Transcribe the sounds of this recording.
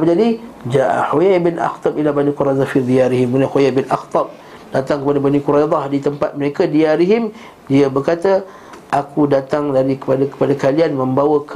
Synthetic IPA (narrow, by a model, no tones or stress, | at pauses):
pəd͡ʒadid͡ʒaʔa̰ħojabɪnʔa̰xt̪ˤɑb̚ʔilabanikuɾajd̪ˤɑfid̪ijaɾiɦɪməknahojajbɪnʔa̰xt̪ˤɑb̚ | d̥at̪aŋkəpadabanikuɾajd̪ˤɑhdit̪əmpat̪̚məɾekadiaɾiɦɪm | diabərkat̪a | ʔakudat̪aŋlalikə̥padakə̥padakalianmə̃mbawək